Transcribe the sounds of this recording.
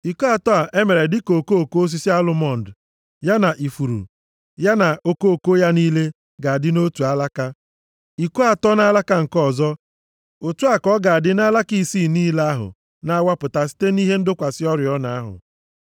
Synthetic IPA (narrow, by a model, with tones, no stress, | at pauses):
i˨ko˦a˨tɔ˦a˨ʔe˦me˨ɾe˨dɪ˦ko˨ko˦o˨ko˦o˦s̬i˦si˦a˦lʊ˦mɔ˦˨n̩˨d | ja˦na˨ʔi˨fu˨ɾṵ˨ | ja˦na˨o˦ko˦o˨ko˦ja˦niː˦le˦ | ɡa˨a˨dɪ˦no˦tu˨a˦la˦ka˦ | i˨ko˦a˨tɔ˦na˦la˦ka˦ŋ̩˨kɔ˦˨zɔ˦ | o˨tu˦a˨kɔ˦ɡa˨a˨dɪ˦na˦la˦ki˦˨siː˦˨niː˦la˦ɦʊ̰˨ | na˦a˦wa˦pʊ˨ta˨si̥˦te˦ni˦ɦe˦n̩˦dʊ˦kʷa˨sɪ˦ɔ˦ɾjɔ˦na˨a˦ɦʊ̰˨